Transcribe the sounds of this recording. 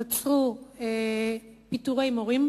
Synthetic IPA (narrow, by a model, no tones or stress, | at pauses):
t͡sue | pit̪uɣejmoɣimb